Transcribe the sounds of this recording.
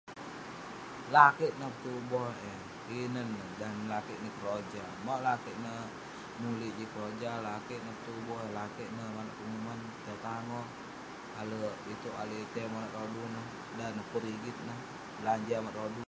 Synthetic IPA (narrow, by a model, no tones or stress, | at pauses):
lakiʔnəpə̥t̪ubɔhe | inənːədanlakiʔnəkəɾod͡ʒa | maʔlakiʔnəh | nuliʔd͡ʒikəɾod͡ʒalakiʔnəpə̥t̪ubɔɦlakiʔnəmanaʔumuman | t̪ət̪aŋɔ | aləʔit̪uʔalit̪emonəʔɾodunəh | danəpəɾiɡit̪̚nəh | laɲd͡ʒamaʔɾodu